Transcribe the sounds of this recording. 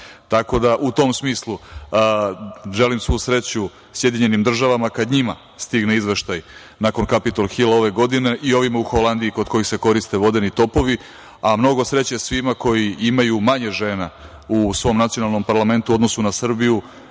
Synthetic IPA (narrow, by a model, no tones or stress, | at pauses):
t̪ako̞d̪aʔut̪o̞msmiːslˠu | ʒe̞limsʋusɾe̞t͡ɕu | sje̞d̪iɲe̞nimd̪r̩ʒaʋamakad̪ɲima | st̪iɡneizʋe̞ʃt̪aj | nako̞nkapit̪olxilˠao̞ʋe̞ɡo̞d̪ine̞ʔio̞ʋimauxo̞land̪iiko̞d̪ko̞jixse̞ko̞ɾist̪e̞ʋo̞d̪e̞nit̪o̞po̞ʋi | amno̞ɡo̞sɾe̞t͡ɕesʋimako̞jiimajumaɲeʒe̞ːna | usʋo̞ːmnat̪ijo̞nalˠno̞mpaɾlˠame̞nt̪uo̞d̪no̞sunasr̩biju